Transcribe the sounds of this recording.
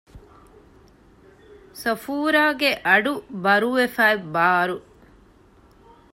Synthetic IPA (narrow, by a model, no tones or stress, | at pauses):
sɐfuːɾaːɡeʔɐɖubɐɾuʋefaːebaːɾu